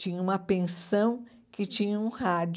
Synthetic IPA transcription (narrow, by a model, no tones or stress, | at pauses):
ĩɲɐũmɐpẽsɐ̃w̃ | kɪt͡ʃĩɲɐũhad͡ʒ